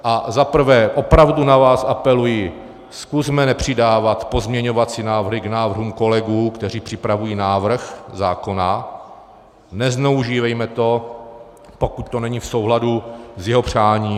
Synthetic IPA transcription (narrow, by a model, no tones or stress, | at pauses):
ʔazapr̩vɛːʔo̞pɾavdunavaːsʔapɛlujɪ | skuzmɛnɛpr̝̥ɪdaːvat̪po̞zmɲɛɲovat͡sinaːvrɦɪɡnaːvr̩ɦuːmko̞lɛɡuːkt̪ɛr̝iːpr̝̥ɪpɾavujiːnaːvr̩xzaːko̞na | nɛznɛuʒiːvɛjmɛt̪o̞ | po̞kut̪t̪o̞nɛɲifso̞wɦladuzjɛɦo̞pr̝̥aːɲiː